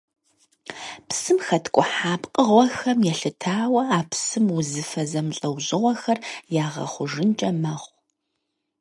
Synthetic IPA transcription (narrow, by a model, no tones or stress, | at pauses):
psɨmxɐtʰkʷʼʊħaːbqʼəʁʷɔxɐmjɛɬɨtʰaːwɐaːpʰsɨmwʊzɨfɐzɐmɬʼɐwʑɪʁʷɔxɐrjaːʁɐ̰χʷʊʒɨnt͡ʃʼɐmɐχʷ